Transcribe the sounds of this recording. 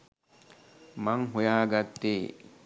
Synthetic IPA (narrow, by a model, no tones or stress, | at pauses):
maŋɦujaːɡɐt̪ːeː